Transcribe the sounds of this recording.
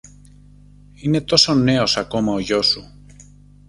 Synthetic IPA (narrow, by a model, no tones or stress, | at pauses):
inet̪osoneosakomaoʝosu